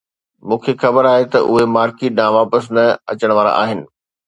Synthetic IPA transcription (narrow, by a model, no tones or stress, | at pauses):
mũːkʰexɐbəɾaːɦet̪ɐʔʊɦemaːɾkeːʈ̚nãːʋaːpəsnɐɐ̰t͡ɕəɽ̃ʋaːɾa̰ʔa̰ːɦɪnɪ̆